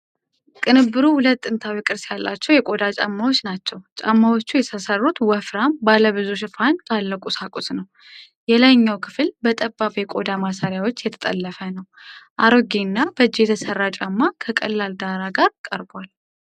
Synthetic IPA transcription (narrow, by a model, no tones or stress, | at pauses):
kʼɨnɨbːɨɾuhʊlət̪ʼːɨnt̪ʰawikʼɨɾsjalːat͡ʃːɛwjɛkʼo̞d̪at͡ʃʼa̰mːawo̞t͡ʃːnat͡ʃːɛwt͡ʃʼa̰mːawot͡ʃːujɛt̪ʰəsərːut̪wɔfɾambaləβɨzuʃ̬ɪfant̪ʰʼalːəkʼusakʼusnəw | jɛlajɲːawkʰɨfɨlbət̪ʼəbːabjɛkʼo̞d̪amasaɾjawo̞t͡ʃːjɛt̪ʰə̥t̪ʼə̰lːəfənəw | ʔaɾoɡenːab̥əd͡ʒːijɛt̪ʰəsərːat͡ʃʼamːakʰəkʼə̰lːald̪aɾaɡaɾkʼəɾbwal